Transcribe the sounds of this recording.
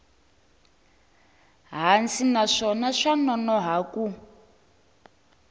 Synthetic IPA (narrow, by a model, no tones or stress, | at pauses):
ɦant͡sinaʂɔnaʂanɔnɔɦaku